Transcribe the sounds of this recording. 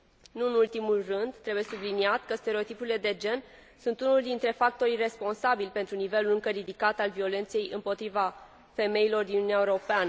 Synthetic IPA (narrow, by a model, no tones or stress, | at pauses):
nuɨnult̪imulrɨnd̪t̪ɾe̞buje̞subliniat̪kəst̪e̞ɾeot̪ipuɾile̞d̪e̞d͡ʒe̞n | sunt̪unuld̪int̪ɾe̞fak̚t̪o̞ɾijre̞spo̞nsabilʲpe̞nt̪ɾunive̞lulɨŋkəɾid̪ikat̪alvio̞le̞nt̪se̞jɨmpo̞t̪ɾiva | fe̞me̞jilo̞rd̪innuniaeuɾo̞peanə